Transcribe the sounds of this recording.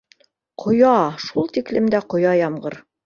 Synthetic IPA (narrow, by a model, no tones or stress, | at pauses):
qʰŏjɑʃulˠt̪iklɘ̆md̪æqŏjɑjɑmɢɤɾ